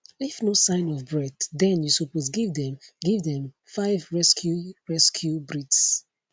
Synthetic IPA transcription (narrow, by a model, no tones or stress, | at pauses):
ifnosãɪ̃nɔvbɹɛddɛ̃njusopozɡivdɛ̃mɡivdɛ̃m | faɪvɹɛskʰjuɹɛskʰjubɹits